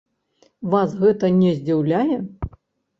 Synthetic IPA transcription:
vasɣɛt̪ɐnʲɛzʲd͡zʲiwlʲajɛ

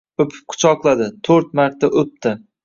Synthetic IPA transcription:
ɵpʰɪ̥p̚qʰʊ̥t͡ʃʰɒqlˠad̪ɪt̪ʰɵɾt̪̚maɾt̪ʰːaʔɵp̚t̪ʰɪ

